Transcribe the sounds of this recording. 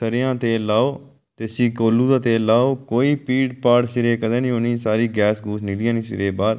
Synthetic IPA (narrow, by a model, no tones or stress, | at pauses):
səɾɪjãːt̪eːlaːoː | t̪eːsiːkoːluːd̪aːt̪eːlaːoːkoːiːpiːɖpaːɽsɪɾeːkəd̪ẽːnĩːɦoːnĩːsaːɾiːɡɛːsɡuːsniːd̪iːãːnĩːsɪ̰ɾeːbaːɾ